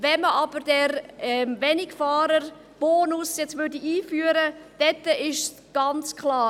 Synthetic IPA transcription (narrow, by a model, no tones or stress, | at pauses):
vɛməʔɑbəɾdɛɾɛmvɛnɪkfɑːɾəɾ | b̥oːnʊsjɛt͡svʏrdiʔiːfyːəɾəd̥ɛtːəɪʃs | ɡ̥ɑnt͡skʰlɑː